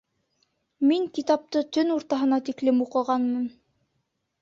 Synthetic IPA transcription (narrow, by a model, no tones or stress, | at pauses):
miŋkit̪ɑp̚t̪ɤt̪ɵnuɾt̪ɑɦɤ̆nɑt̪iklɘmuqɤ̆ʁɑnmɤn